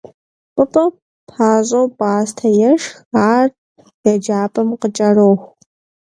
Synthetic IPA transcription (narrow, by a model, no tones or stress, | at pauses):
pʼəpʼɐ | pʰaːʑʼowbʼaːstʰɐjɛʂxaːr | j̥ɐd͡ʒaːpʼɐmqət͡ʃʼɐroxʷ